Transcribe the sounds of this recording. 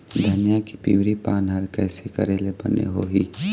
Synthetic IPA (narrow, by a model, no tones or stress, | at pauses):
d̪ʱɐnijaki̥pḭːwɾipaːnɦɐɾkɛːsekɐ̰ɾeːlebɐ̰nḛɦoːɦiː